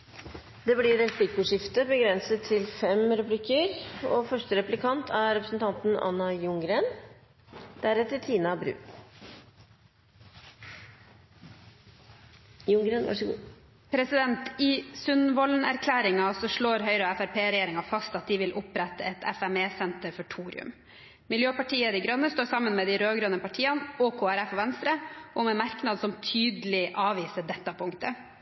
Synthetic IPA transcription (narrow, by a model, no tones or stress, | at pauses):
d̪ɛːblɪɾɛpʰlɪkʊʂɪft̪əbəɡɾɛnsət̪ʰːɪlfɛmɾʉpʰlɪkəɾofœʂʈəɾɛplɪkʰɑnt̪ʰæɾɛpɾəsn̩t̪ʰɑnt̪n̩ɑ̰nːɑjʊŋɡɾeːn | d̪̥æɾɛt̪ːəɾt̪ʰiːnɑbɾʉ̰ː | jʊŋɡɾeːnʋɑ̰ʂɡ | pʰɾɛsɪd̪ɛnt̪ɪsʉnʋɔlnæɾkʰlæːɾɪŋɑsɔʂɭoːɾɦœʏɾəæfæɾpʰeːɾɛjeːɾɪŋɑfɑst̪ɑt̪̚d̪iɪʋɪlʔʊpɾɛt̪ːəɛt̪ʰɛ̰fæmeːsɛnt̪əɾfɔʈʰuːɾɪ̰ʉ̰m | mɪljøːpɑʈiːəd̪ɪɡɾœnːəst̪oːɾsɑmənmɛːd̪ɪɾøːɡɾœnəpɑʈʰiːɑnɔkʰoːæɾɛfɔʋɛnst̪ɾəʔɔmɛmæɾknɑd̪sɔmt̪ʰyːd̪lɪʔɑːʋiːsəɖ̪ɛt̪ːɑpʰʊŋkt̪ə